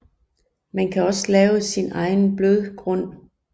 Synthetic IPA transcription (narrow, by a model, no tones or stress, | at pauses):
mænkʰæɒ̽slɛːʊəsinɑ̈ɪnb̥løðˠɡ̥ʁɔ̽n̰